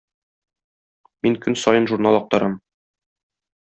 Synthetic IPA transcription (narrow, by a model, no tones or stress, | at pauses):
miŋkɵnsɒjɤnʒuɾnɑlˠɒq̚t̪ɑɾɑm